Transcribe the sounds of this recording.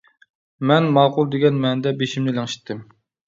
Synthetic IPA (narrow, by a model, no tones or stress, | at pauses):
mɛnmɑːqʊlˠd̪eɡʲɛnmɛnd̪ɛbeʃimnɪlæŋʃi̥t̪ʰːɪm